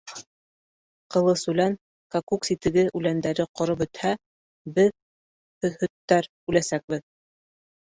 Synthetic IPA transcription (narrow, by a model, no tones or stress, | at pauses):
qɤ̆lˠɤsʉlæn | kakuksit̪ɘ̆ɡɘʔʉlænd̪æɾɘqŏɾɤp̬ɵ̆t̪hæ | bɘð | hɵ̆ðhɵ̆t̪ːæɾ | ʉlæsæk̚bɘð